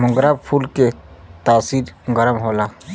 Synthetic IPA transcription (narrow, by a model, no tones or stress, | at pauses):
mʊ̃ŋɡɾaːbpʰuːlket̪aːsiːɾɡəɾəmɦoːlaː